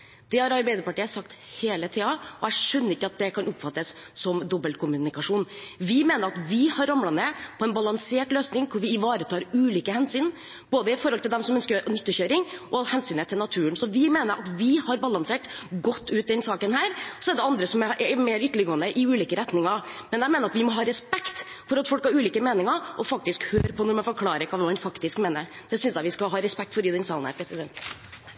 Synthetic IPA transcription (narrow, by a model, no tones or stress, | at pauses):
d̪̥ɛhɑɾɑɾbæɪd̪əɾpɑʈiːəsɑkt̪heːlət̪ʰiːɑɔæʂœnːəɾɪkːəɑt̪̚d̪ɛkʰɑnʊpfɑt̪ːəs | sɔmd̪ɔbəlt̪̚kʰʊmʉnɪkɑʂuːnʋɪmeːnəɾɑt̪ʋɪhɑɾɑmlɑnəpʰɔɛnbɑlɑŋseːʈløːsnɪŋkʰʊɾʋɪɪʋɑːɾət̪ʰɑːɾʉːliːkəhɛnsyːn | b̥oːd̪əɪfɔɾhɔlt̪ɪld̪ɛmsɔmœnskəɾnʉt̪ːəçøːɾɪŋʔɔhɛnsyːnət̪ʰɪlnɑt̪ʰʉːənsɔʋɪmeːnəɾʔɑt̪ʋɪhɑɾbɑlɑnseːʈɡɔt̪ːʉːt̪̚d̪ɛnsɑːkənhæːɾsɔɛɖ̪ɛɑnd̪ɾəsɔmɛʔɛmeːɾʏt̪ːəɭəɡoːənəʔɪʉːliːkəɾɛt̪nɪŋɑɾmɛnjæɪmeːnəɾɑt̪ʋɪmɔɦɑːɾɛspɛkt̪ | fɔɾɑt̪fɔlkhɑɾʉːliːkəmeːnɪŋəɾʔɔfɑk̚t̪ɪskhøːɾpʰɔnɔɾmɑnfɔɾkʰlɑːɾəɾkʰɑːʋɛːmɑnfɑkt̪ɪskmeːnəɾd̪̥ɛsʏnsjæɪʋɪskɑɦɑːɾɛspɛk̚t̪fɔɾɪd̪ɛnsɑːln̩hæ̰ɾpʰɾɛsɪd̪ɛnt̪